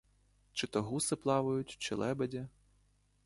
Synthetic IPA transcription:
t͡ʃɪt̪ɔɦusɪplˠɑʋʊjʊtʲt͡ʃɪ̰lˠɛbedʲɐ

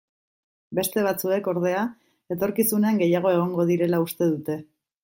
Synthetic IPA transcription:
be̞st̪e̞β̞at͡sue̞ko̞ɾð̞e̞a | e̞t̪o̞ɾkisune̞aŋɡe̞jaɣ̞o̞e̞ɣ̞o̞ŋɡo̞ðiɾe̞laust̪e̞ð̞ut̪e̞

